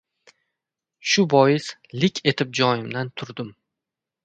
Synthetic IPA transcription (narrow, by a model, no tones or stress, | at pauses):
ʃʊbɒjɪslɪkʲʰe̞t̪ʰɪp̚d͡ʒɒjɪmd̪ant̪ʰʊɾd̪ɪm